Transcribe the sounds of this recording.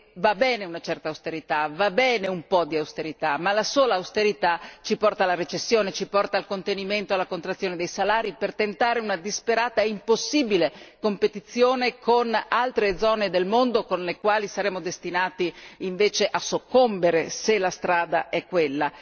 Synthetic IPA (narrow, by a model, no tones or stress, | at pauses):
vabɛːneunat͡ʃɛrt̪aust̪eɾit̪avabɛːneumpɔd̪iawst̪eɾit̪amalasoːlaːwst̪eɾit̪at͡ʃipɔrt̪alaɾet͡ʃesːjoːnet͡ʃipɔrt̪aːlkont̪eniment̪oalːakont̪ɾat̪sːjoːned̪ejsalaːɾipert̪ent̪aːɾeunad̪ispeɾaːt̪aimposːiːbilekompet̪it̪sːjoːnekʰonalt̪ɾed̪zɔːned̪elmond̪okonlekwaːlisaɾɛːmod̪est̪inaːt̪iiɱveːt͡ʃeʔasokːombeɾeselast̪ɾaːd̪a̰ʔɛkːwelːa